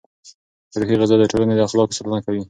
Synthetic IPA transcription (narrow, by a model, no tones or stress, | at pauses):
t̪aɾxiɣɪzad̪əʈʰolaned̪əaxlɑko̥salanakawi